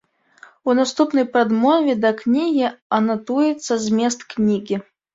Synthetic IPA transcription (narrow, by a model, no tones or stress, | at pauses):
unast̪upnɐjpɾad̪mɔvʲɛd̪ɐknʲiɣʲiɐnat̪ujɛt̪sːɐzʲmʲɛs̬t̪knʲiɣʲi